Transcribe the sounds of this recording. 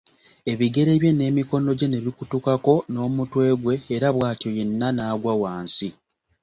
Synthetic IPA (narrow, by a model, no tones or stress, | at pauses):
e̞βiɡe̞ɾe̞βje̞ne̞ːmiko̞no̞ɟe̞ne̞βikutukako̞no̞ːmutwe̞ːɡwe̞ːɾaβwaːtioje̞nːanaːɡwawaːnsi